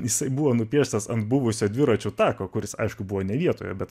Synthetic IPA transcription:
jɪsɐɪbuʋoːnʊpʲiɛʃʲt̪ɐsɐnt̪bʊʋʊsʲoːd̪ʲʋʲɪɾɐt͡ʃʲʊt̪ɑːkoːkʊɾʲɪsɐ̰ɪʃkʊbuʋoːnʲɛʋʲiɛt̪o̰ːjo̰bʲɛt̪

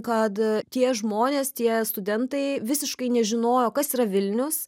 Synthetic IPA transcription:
kɐt̪tʲiɛʒmoːnʲeːst̪ʲiɛst̪ʊd̪ʲɛnt̪ɐɪʋʲɪsʲɪʃkɐɪnʲɛʒʲɪnoːjoːkɐsiːɾɐʋʲɪlʲnʲʊs

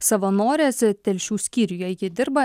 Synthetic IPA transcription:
sɐʋɐnoːɾʲeːsʲt̪ʲɛlʲʃʲuːsʲkʲiːɾʲʊjojʲɪd̪ʲɪɾbɐ

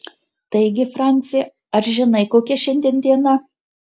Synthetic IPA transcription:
t̪ɐɪɡʲɪfɾɑˑnʲt̪sʲɪjɛ | ɐɾʒʲɪnɐɪkoːkʲɛʃʲɛnʲd̪ʲiɛnd̪ʲiɛnɐ

